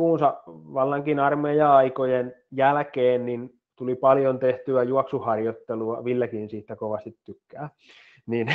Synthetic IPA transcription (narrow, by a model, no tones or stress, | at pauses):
uːnsɑʋɑlːɑŋkinɑrmejɑɑikojenjælkeːnnin | t̪ulipɑljont̪eht̪yæjuɑksuhɑrjot̪ːeluɑʋilːækinsiːt̪ːækoʋɑst̪it̪tykːæː | nin